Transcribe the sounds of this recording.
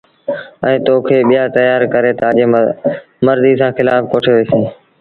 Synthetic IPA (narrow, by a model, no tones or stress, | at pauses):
ə̰̃ːt̪oːkʰeːɓɪjaːt̪əjaːɾkəɾeːt̪aːʄeː | məɾziːsãːxɪlaːfkoːʈʰeːʋiːsĩː